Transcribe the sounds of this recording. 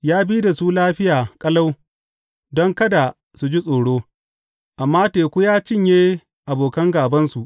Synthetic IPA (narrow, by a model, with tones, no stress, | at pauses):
jaː˦biː˦da˨suː˦laː˦ɸɪ˦jaː˨kʼɐ˦la˦w | dɔ˦ŋkɐ˦da˨ | su˨d͡ʒi˦sʼoː˨ɽoː˦ | ʔa˨mːaː˦teː˨kʷu˦jaː˦t͡ʃɪ˦ɲjeː˦ | ʔa˨boː˨kɐ˦ŋɡaː˨bɐ˦nsu˨ʔ